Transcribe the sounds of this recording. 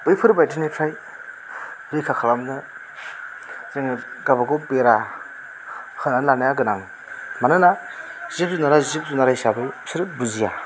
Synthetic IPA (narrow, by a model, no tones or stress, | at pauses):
bɯjpʰɯɾbajtinipʰɾaj | ɾɯjkʰakʰalamnɯ | zeŋɡabaɡɔpeɾa | hɯnanlanajaɡɯnaŋ | manɯnazip̚zunaɾazip̚zunaɾaisabɯjsiɾbuzija